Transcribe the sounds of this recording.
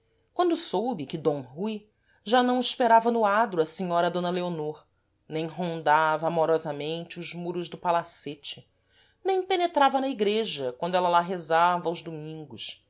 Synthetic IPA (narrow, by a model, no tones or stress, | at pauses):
kwɐ̃nd̪ʊsowbɪkɪd̪õɦuj | ʒanɐ̃w̃ɪʃpeɾavɐnʊad̪ɾʊɐsiɲɔɾɐd̪õnɐleonoɾ | nẽj̃ɦõnd̪avɐːmoɾɔzɐmẽnt͡ʃɪʊzmuɾʊzd̪ʊpalaset͡ʃɪ | nẽj̃penet̪ɾavɐnɐiɡɾeʒɐkwɐ̃nd̪ʊɛlɐlaɦezavɐawzd̪umĩŋɡʊʃ